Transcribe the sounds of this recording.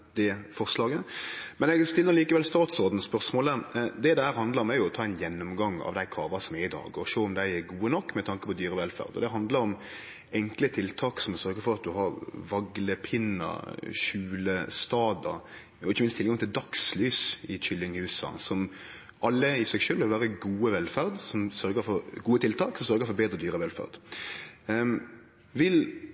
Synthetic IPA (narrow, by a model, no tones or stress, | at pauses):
d̪̥ɛfɔɾslɑːɡəmɛnɛɡst̪ɪlːəɾliːkəʋɛlst̪ɑːt̪sɔɾd̪n̩spœɾsmoːləd̪ɛd̪ɛhæːɾɦɑnd̪ləɾɔmæɾjʊɔt̪ʰɑːɛnjɛnːɔmɡɑŋːɑ̰ʋd̪æɪkʰɑːʋɑsɔmɛɪd̪ɑ̰ːɡɔʃøːɔmd̪æɪɛɡuːənɔkːmɛt̪ʰɑŋkə̥pʰɔd̪yːɾəʋɛlfæ̰ːʁd̪ɔ̰d̪ɛɦɑnd̪ləɾɔm | ɛŋklət̪ʰɪlt̪ʰɑːksɔmɔsœɾɡəfɔɾɑt̪̚d̪ʉɦɑɾʋɑɡləpʰɪnːə̰ʃʉːləst̪ɑːd̪ə̰ | ɔɪçəmɪnst̪ʰɪlɡɑŋt̪ʰɪld̪ɑkslyːsɪçʏlːɪŋhʉːsə̰sɔm | ʔɑlːəɪsɛɡʃøːlʋɪlʋæːɾəɡuːəʋɛlfæɾd̪sɔmsœɾɡəɾfɔɾɡuːət̪ʰɪlt̪ʰɑːksɔmsœɾɡəɾfɔɾbeːd̪ɾəd̪yːɾəʋɛlfæ̰ʁd̪ | ʋɪl